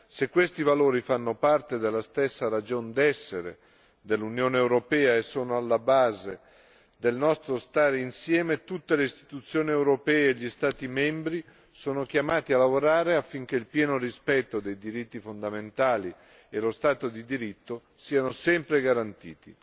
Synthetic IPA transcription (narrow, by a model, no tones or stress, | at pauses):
sekːwest̪ivaloːɾifanːopart̪ed̪elːast̪esːaɾad͡ʒond̪ɛsːeɾḛ | d̪elːunjoːneewɾopɛːaesːoːnoalːabaːze | d̪elnɔst̪ɾost̪aːɾeinsjɛːmet̪ut̪ːeleist̪i̥t̪ut̪sːjoːniewɾopɛːeːʎːist̪aːt̪imɛmbɾi | soːnok̟jamaːt̪ialːavoɾaːɾeafːiŋk̟eilpjɛːnoɾispɛt̪ːod̪ejd̪iɾit̪ːifond̪ament̪aːli | elost̪aːt̪od̪id̪iɾit̪ːo | siːanosɛmpɾeɡaɾant̪ḭːt̪i